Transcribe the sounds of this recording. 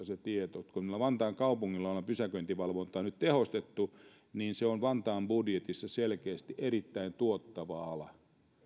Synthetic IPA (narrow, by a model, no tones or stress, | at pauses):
set̪iet̪ot̪kunilːæʋɑnt̪ɑːŋkɑupuŋːilːɑolɑpysækønt̪iʋɑlʋont̪ɑːnyt̪t̪ehost̪et̪ːu | niːnseonʋɑnt̪ɑːmbudjet̪isːɑselkeːst̪iʔerit̪ːæint̪uot̪ːɑʋɑɑlɑ̰